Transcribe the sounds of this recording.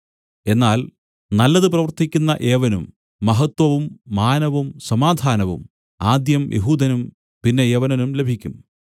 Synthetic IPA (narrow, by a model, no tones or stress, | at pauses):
e̞nːaːl | nɐlːɐðɨprɐʋɐrt̪ʰikʲːunːɐʔe̞ːʋɐnṵmː | ɐɦɐt̪wɐʋumːaːnɐʋumsɐmaːd̪ʱaːnɐʋṵm | aːd̪jɐmjʔḛɦuːd̪ʱɐnum | pinːe̞eːʋɐnɐnumle̞bʱikʲːum